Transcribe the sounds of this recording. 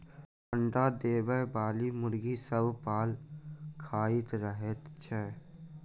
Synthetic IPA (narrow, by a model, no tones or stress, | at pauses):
pʰə̃ɳɖad̪eːbəbaːlimʊɾɡisəbpaːlkʰaːɪt̪ɾəɦet̪t͡ʃʰɛː